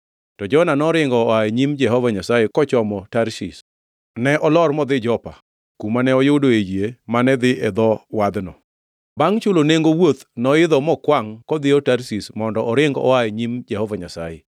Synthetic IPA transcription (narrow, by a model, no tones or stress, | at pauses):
tɔd͡ʒɔnanɔɾɪŋɡɔaeɲimd͡ʒɛɦɔvaɲasajekɔt͡ʃɔmɔtaɾsis | nɛʔɔlɔrmɔd̪ɪd͡ʒɔpa | kumanɛɔjʊdoed͡ʒemanɛd̪ɪʔɛd̪ɔwad̪nɔ | baŋt͡ʃʊloneŋɡowot̪nɔɪd̪ɔmɔkwaŋkɔd̪ɪɔtaɾsismɔndɔʔɔɾɪŋɡɔ̰aeɲimd͡ʒɛhɔvaɲasa̰jḛ